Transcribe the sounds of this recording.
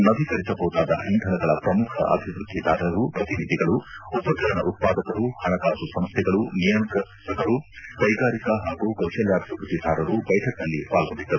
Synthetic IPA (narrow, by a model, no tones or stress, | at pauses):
nɐbʱikɐɾisɐbʱɐud̪aːd̪ɐ̰nind̪ʱɐnɐɡɐɭɐpɾɐmukʰɐ̰ʔɐ̰bʱiʋɾud̪ʱːid̪ʱaːɾɐɾupɾɐt̪inid̪ʱiɡɐɭuupɐkɐɾɐnɐʔut̪̚paːɡ̪ɐt̪ɐɾuhɐɭɐkaːsusɐmst̪ʰɛɡɐɭunijɐnkɐt̪ʰɐɡɐɾukɐjɡaːɾikɐɦaːɡukɐwʂɐljaːbʱɐʋɾud̪ʱːid̪ʱaːɾɐɾubɐjʈʰɐk̚nɐlːipaːlɡo̞ɳɖid̪ːɐɾu